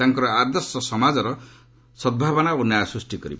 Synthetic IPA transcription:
aŋkɔɾɔad̪ɔɾsɔsɔmad͡zɔɾɔ | sɔd̪̚bʱabɔnaonajasusʈikɔɾḭb

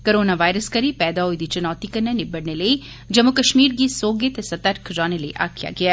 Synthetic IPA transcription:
koɾoːnaʋaːɪɾəskɐɾipɛːd̪aɦoid̪it͡ʃʊnɔːt̪ikɐɾnenɪbɐɽnelɐi | d͡ʒɐmːukɐʃmiːɾɡisoːɡet̪esɐt̪əɾkʰɾaːneləḭʔa̰ːkʰija̰ɡɐaː

